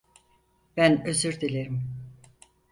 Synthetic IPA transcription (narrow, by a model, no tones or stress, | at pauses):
b̥ænøzyɾd̪ilʲeɾim